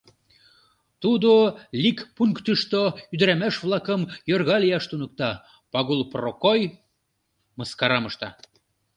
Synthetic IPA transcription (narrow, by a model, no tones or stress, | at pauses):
t̪ud̪olʲikpuŋkt̪əʃt̪oyd̪ɾæmæʃβlɑkəmjorɣɑlijɑʃt̪unə̆k̚t̪ɑ | pɑɣulˠprokoj | məskɑɾɑməʃt̪ɑ̰